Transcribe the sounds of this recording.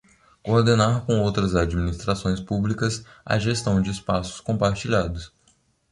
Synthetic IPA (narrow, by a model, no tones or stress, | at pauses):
koːɾd̪enaɾkõowt̪ɾɐzad͡ʒiminist̪ɾasõj̃spublikɐsɐ̰ʒest̪ɐ̃w̃d͡ʒɪːspasʊ̥skõpaɾt͡ʃiʎad̪ʊs